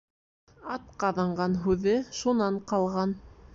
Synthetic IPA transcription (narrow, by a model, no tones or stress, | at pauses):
ɑt̪̚qɑðɑɴɢɑnɦʉðɘʃunɑɴqɑlˠʁɑn